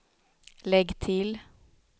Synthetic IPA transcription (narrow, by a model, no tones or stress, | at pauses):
lɛɡt̪ʰɪl